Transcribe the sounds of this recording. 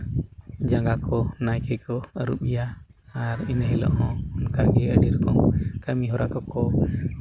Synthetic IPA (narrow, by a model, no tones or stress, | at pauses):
d͡ʒaŋɡakʰɔnajkɛkɔəɾuɓijaːɾinəɦɛlɔ̰ʔɦɔ̃unkaɡɛəɖiɾkɔŋkamiɦɔɾakɔkɔ